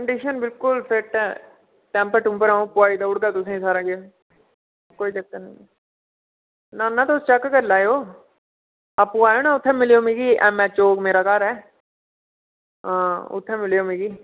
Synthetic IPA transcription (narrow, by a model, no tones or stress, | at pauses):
kəɳɖiːʃənbɪlkʊlpʰɪɾʈː | ʈɛ̃ːmpəɾʈʊ̃mpəɾaːõːpʊaːiːd̪aːʊɽɡaːt̪ʊsẽːsaːɾaːɡe | koːiːt͡ʃək̚t̪anə̃ | naːnãːt̪ʊst͡ʃəkːkəɾlaːjoː | aːpũːaːjoːnãːʊt̪ʰːɛ̃ːmɪlijoːmĩːɡiːʔɛ̰̃ːmɛ̃ːt͡ʃoːkmeːɾaːkaɾɛː | ɦãːʊ̰t̪ʰːɛ̃ːmɪlejoːmĩːɡiː